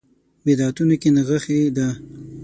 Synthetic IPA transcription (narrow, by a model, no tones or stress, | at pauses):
wɪd̪ɑt̪unokenəɣəxed̪ə